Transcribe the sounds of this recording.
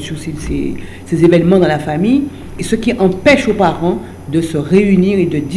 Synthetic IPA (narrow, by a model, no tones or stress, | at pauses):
sysesḛ | sezevɛnmɑ̃d̪ɑ̃lafamij | esəkʲiʔɑ̃pɛʃopaʁɑ̃ | d̪əsəʁeyniʁed̪əd̪i